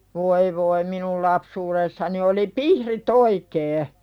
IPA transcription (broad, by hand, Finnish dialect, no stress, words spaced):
ʋoi ʋoi minul lɑpsuːɾesːɑni oli pihrit oikeː